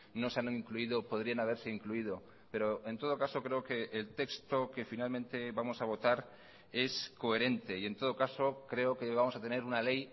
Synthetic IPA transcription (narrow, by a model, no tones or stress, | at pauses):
no̞seaniŋkluiðopo̞ðɾianaβ̞e̞ɾse̞iŋkluið̞o̞ | pe̞ɾoe̞nt̪o̞ð̞o̞kaso̞kɾe̞oke̞ʔːlt̪e̞kst̪o̞ke̞finalmẽnt̪e̞βamo̞saβ̞o̞t̪aɾ | e̞sko̞e̞ɾe̞nt̪e̞ient̪o̞ð̞o̞kaso̞kɾe̞okeβamo̞sat̪e̞ne̞ɾunale̞j